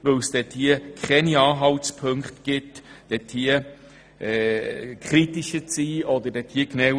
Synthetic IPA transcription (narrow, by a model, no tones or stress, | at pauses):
ʋɵwsd̥ɛthiəkʰχɛniɑːɦɑwtspʰɵŋkχtɡ̥ɪtd̥ɛthiə | ɛkʰχɾitiʃət͡siːɔd̪ədɛthiːknɛw